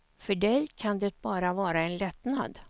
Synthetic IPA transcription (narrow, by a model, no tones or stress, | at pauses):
fœɖɛjkʰand̪ɛt̪̚bɑːɾavɑːɾaɛnlɛt̪na̰d̪